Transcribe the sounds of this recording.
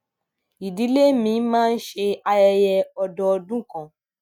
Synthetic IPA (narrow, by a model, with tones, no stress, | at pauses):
i˨di˨˦le˦mĩ˧˦mãː˦˧n̩˦ʃe˧a˧jɛ˧jɛ˧ɔ˧dɔ˧ɔ˧dũ˦kã˨